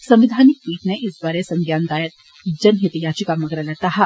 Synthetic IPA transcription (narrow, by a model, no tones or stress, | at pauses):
sɐ̃mʋɪd̪ʱaːnɪkpiːʈ̪neʔɪsbaːɾesɐ̃ŋɡjaːnd̪aːjət̪ | d͡ʒɐnɦɪt̪ijaːt͡ʃikamɐɡɾalɛt̪aɦa